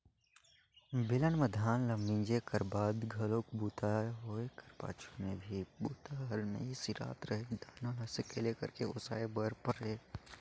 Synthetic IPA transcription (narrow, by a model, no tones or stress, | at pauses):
bɪlənməd̪ʱaːnləmːĩːnd͡ʒekəɾbaːd̪ɡʱɐlokbuːt̪aɦoːekɐɾpa̰ːt͡ʃʰomẽbʱibuːt̪aɦəlmḛ̃isiɾa̰ːt̪ɾəɦed̪aːnolɐsekelekɐ̰ɾkeʊsa̰ːebəɾpəɾeː